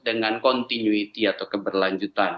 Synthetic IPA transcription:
dəŋankɔnt̪inuit̪iat̪awkəbərlaɲd͡ʒut̪an

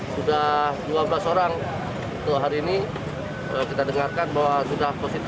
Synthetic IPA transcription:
sudahduabəlasoɾaŋ | unt̪ʊk̚ɦaɾiːni | əkit̪adəŋarkanbawasudahposit̪

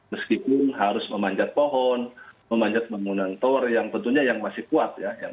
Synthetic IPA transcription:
məskipʊnɦaɾʊsməmaɲd͡ʒat̪̚poɦɔnməmaɲd͡ʒat̪̚baŋunant̪ɔrjaŋt̪ənt̪uɲajaŋmasɪhkuat̪̚jaja

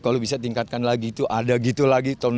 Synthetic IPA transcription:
kalobisat̪iŋkat̪̚kanlaɡit̪uʔadaɡit̪ulaɡit̪ɔn

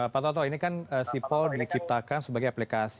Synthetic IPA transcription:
əpat̪ɔt̪̬ɔinikanəsipɔldit͡ʃip̚t̪akansəbaɡajaplikas

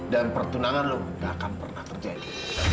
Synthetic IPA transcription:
danpərt̪unaŋanlʊɡakanpərnaht̪ərd͡ʒadi

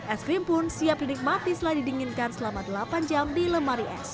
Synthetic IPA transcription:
ʔɛskɾimpʊnsiap̚linɪk̚mat̪ist̪əladidiŋɪnkansəlamadəlapand͡ʒamdiləmaɾiɛ̰s

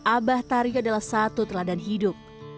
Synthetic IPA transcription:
ʔabaht̪aɾiadalahsat̪ut̪ərladanɦidʊp̚

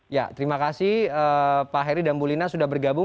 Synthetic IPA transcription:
ja̰t̪əɾimakasɪhəpaɦɛɾidanbulinasudahbərɡabʊ

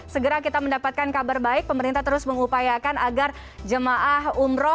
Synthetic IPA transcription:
səɡəɾakit̪aməndapat̪̚kankabarbaɪk̚pəməɾint̪at̪əɾʊsməŋupajakanaɡar | d͡ʒəmaʔahumɾɔ

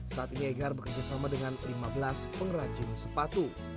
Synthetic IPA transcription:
saʔat̪inieɡarbəkərd͡ʒasamadəŋanlimabəlaspəŋrad͡ʒɪnsəpat̪u

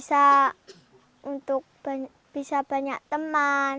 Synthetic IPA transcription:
sa | unt̪ʊk̚b̥a | b̥isab̥a̤ɲaʔt̪əman

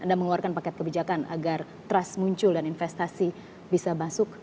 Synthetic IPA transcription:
ʔandaməŋuwarkanpakɛt̪̚kəbid͡ʒakanʔa̰ɡar | t̪ɾasmuɲt͡ʃʊldaninfɛst̪asi | bisabasʊk̚

